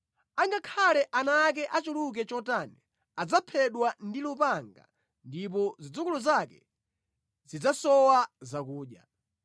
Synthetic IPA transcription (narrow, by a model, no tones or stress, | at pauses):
aŋɡakʰalɛʔanak̬ɛʔat͡ʃuluk̬ɛt͡ʃɔtani | ad͡zapʰɛɗwandilupaŋɡa̰ | ndip̬ɔzid͡zukuluzakɛ̰ | zid͡zasɔwazakuːɗja̰